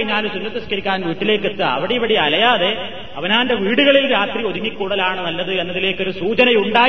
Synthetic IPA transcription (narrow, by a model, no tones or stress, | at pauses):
iɲːaːlusunːɐt̪ːɐskɐɾikʲːaːnʋiːʈːile̞ːkːet̪ːɨɐ̰ʋiɽeiʋɐɽiɐlɐjaːðe̞ | ɐʋɐnaːnde̞ʋiːɽuɣɐɭilɾaːt̪rio̞ðiŋikːuːɽɐlaːɳɨnɐlːɐðɨe̞nːɐðile̞ːkːo̞ɾusuːt͡ɕɐnɐjuɳɖaː